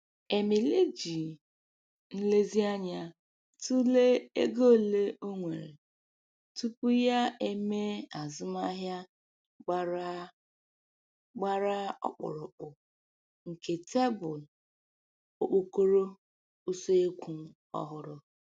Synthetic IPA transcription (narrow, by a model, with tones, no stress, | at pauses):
e˨mi˨le˦d͡ʒi˨ | n̩˦le˦zi˦a˦ɲa˦ | tu˦le˦e˦ɡo˦˨le˦ʔo˦ŋʷe˨ɾḛ˨ | tu˦pʊ˦ja˦e˦me˦a˨zʊ˦ma˦ɦja˦ | ɡ͡ba˦ɾ | ɡ͡ba˦ɾa˦ɔ̰˦k͡pʊ̰˨ɾʊ˨k͡pʊ˨ | ŋ̩˨ke˨tʰe˦bʊ˨l | o˨k͡po˨ko˦ɾo˦ | u˦so˦e˦kʷu˨˦ | ɔ̰˦ɦʊ˦ɾʊ˦